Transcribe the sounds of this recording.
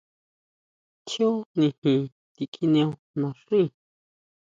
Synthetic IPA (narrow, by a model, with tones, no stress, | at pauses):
t͡ʃjo˦nĩ˧˨hĩ˨ | t̪i˨kʼi˧nj̃õ˧ | nã˨ʂi˦˨